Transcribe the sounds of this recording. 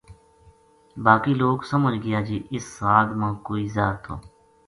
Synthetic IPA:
baːkiːloːɡsəməd͡ʒɡəjaːd͡ʒiːʔɪsaːɡ̪mãːkoːiːzaːɾt̪ʰo̰ː

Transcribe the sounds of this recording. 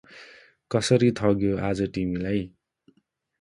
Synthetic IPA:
kʌsʌɾit̪ʰʌɡjoad͡zʌʈimilaj

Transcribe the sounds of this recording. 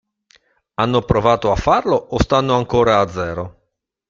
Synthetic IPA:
anːopɾovaːt̪oafːarloʔost̪anːoaŋkoːɾaːd̪zːɛːɾo

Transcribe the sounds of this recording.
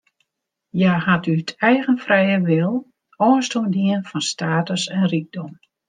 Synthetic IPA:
jaːhatytʰɛjɣənfrɛjəʋɪlˠ | ɔənstundiənfɔnstaːtəsɛnriɡ̚dɔm

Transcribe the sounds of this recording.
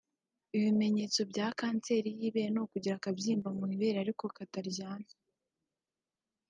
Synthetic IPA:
iβime̞ɲe̞ːt͡so̞bɟaːkaːnt͡se̞ɾijiːβenokuɟiɾakabjiːmvamwiβe̞ɾaɾiko̞kataɾɟaːna

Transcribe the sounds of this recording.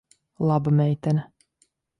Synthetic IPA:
lˠabamɛjt̪ɛn

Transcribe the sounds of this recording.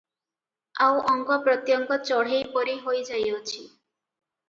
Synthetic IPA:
awɔŋkɔpɾɔt̪jɔŋkɔt͡ʃɔɽ̤ejpɔɾiɦojd͡ʒajɔt͡ʃʰi

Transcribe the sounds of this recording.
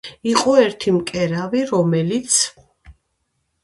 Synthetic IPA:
iqʼɔɛɾt̪ʰimkʼɛɾaviɾɔmɛlit̪sʰ

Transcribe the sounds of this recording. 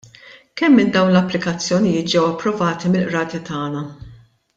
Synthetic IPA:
kɛmːɪnd̪ɐwnlɐpːlɪkɐt͡sːjɔnɪjɪːt̪̚d͡ʒɛwɐpːɾɔvɐːt̪imɪlʔɾɐːt̪it̪ɐːnɐ

